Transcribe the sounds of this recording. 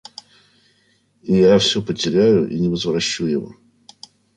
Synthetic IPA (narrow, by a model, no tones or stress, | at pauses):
ijafsʲɵpətʲɪɾʲæjʊʔḭnʲɪvəzvɾɐɕːujɪvo̰